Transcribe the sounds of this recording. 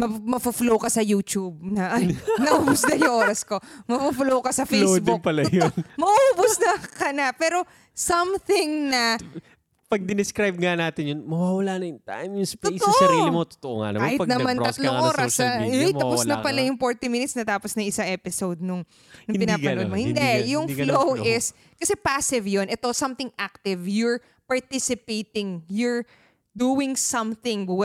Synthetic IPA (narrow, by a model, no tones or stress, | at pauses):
mɐmɐfʊflowkɐsɐjuːt͡ʃub̚nɐʔɐnɐʔʔuːbʊsnɐjʊŋʔoɾɐsko̞mɐfuflowkɐsɐfelosbd̪ɪnpɐlɐjonmɐʔuːbʊsnɐkɐnapɛːɾo̞ | sɐmθɪŋnɐ | pɐɡ̚d̪ɪnɪskɾajb̚ŋanaːt̪ɪnjonmɐwaːwɐlanɐjʊŋt̪a̰jmjʊsp̪ost̪oʔsɐɾiːlɪmot̪o̥t̪oʔoŋa̰nɐ̰mɐhɪpɐɡ̪nɐmanɐt̪loŋʔoːɾɐsɐj̪ɐpʊsnɐpɐlajʊŋfoɹt̪ɪminɪt̪snɐt̪aːposnɐŋʔɪsaŋʔɛːpɪsowd̪̚nʊŋ | nʊŋnpɪnaːɐnʔomohɪ̃nd̪ɛjʊŋflowɪs | kɐsɛpasɪvjonʔɛt̪o̞sɐ̃mt̪ɪŋʔak̚t̪ɪvjʊɹ | pɐɹt̪ɪsɪpejp̪ɪŋjʊɹ | d̪uːwɪŋsɐ̃mθɪ̃ŋw